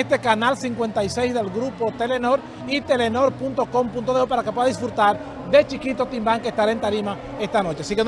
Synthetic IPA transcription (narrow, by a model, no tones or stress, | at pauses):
st̪e̞kanalsiŋkwent̪ajse̞jzðe̞lɡɾupo̞t̪e̞leno̞ɾ | it̪e̞leno̞ɾpunt̪o̞ko̞mpunt̪o̞ðeupaɾakepwe̞ðaðisfɾut̪aɾ | d̪e̞t͡ʃikit̪o̞t̪imbaŋkest̪aɾaent̪aɾima | e̞st̪ano̞t͡ʃeasiken